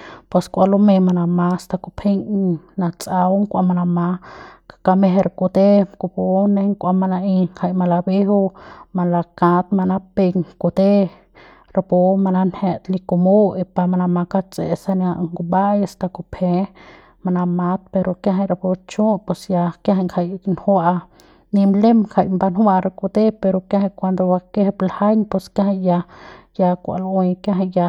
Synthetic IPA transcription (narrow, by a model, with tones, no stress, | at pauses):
pe˧skʷa˧lo˦me˧ma˧na˧ma˧st̪a˧ku˧pʰe˦ŋ˧na˧t͡sʼa˧wŋkʷa˧ma˧na˧ma˧kḁ˧ka˧me˧ɦe˧ɾku˧t̪e˦ku˧po˧ne˧ŋkʷa˧ma˧na˧i˧ŋha˧jma˧la˧be˦ɦo˧ma˧la˧kã˧t̪̚ma˧na˦pe˧ŋko˧t̪e˦ | ɾa˧po˧ma˧na˧nhe˧t̪li˧ku˧mo˦e˧pa˧ma˧na˧ma˧ka˦˧t͡sḛ˧˨sa˧ni˧a˧ŋɡu˧ba˦ja˧st̪a˧ko˧pʰe˧ | ma˧˨na˧ma˧t̪̚pe˧ɾo˧kja˦ɦa˧ɾa˧po˧t͡ʃũ˦pe˧˨sja˧ka˦ɦa˧ŋkʰa˧jnhwaa˧ | ni˧mle˦mkʰa˧jmba˧nhwa˧ɾa˧ko˧d̪e˦pe˧ɾo˧kja˦ha˧kʷa˧nd̪o˧wa˧ke˦hblha˦jɲpe˧ska˦ha˧ja˧ja˧kʷa̰˧lwjkja˦ɦa˧ja˧